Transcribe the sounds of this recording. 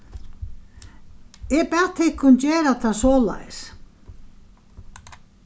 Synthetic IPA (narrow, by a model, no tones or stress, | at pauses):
ɛpɛɾt̪ʰɪkʰːʊnt͡ɕeːɾat̪ʰasɔːla̰js